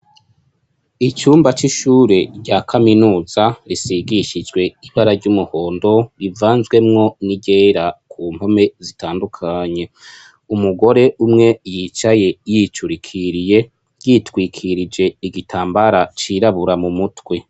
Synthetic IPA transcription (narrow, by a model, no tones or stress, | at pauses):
it͡ʃuːmbat͡ʃiʃuːɾe̞ɾɟaːkʰaminuːzaɾisiɡiʃid͡ʒɡwe̞iβaɾaɾɟumuho̞ːndo̞ɾivaːnzɡwe̞mŋo̞niɟe̞ɾakuːm̥ho̞me̞zitaːndukʰaɲe̞ | umuɡo̞ɾe̞ʔumŋe̞jiːt͡ʃaje̞jit͡ʃuɾikʰiɾije̞ | jitwiːkʰiɾid͡ʒe̞iɡitʰaːmbaɾat͡ʃiɾaβuɾamumutwe̞